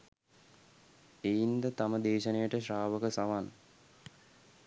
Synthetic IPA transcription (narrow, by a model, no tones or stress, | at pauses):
ejind̪ət̪aməd̪eːʃənəjəʈəɕraːʋəkəsaʋan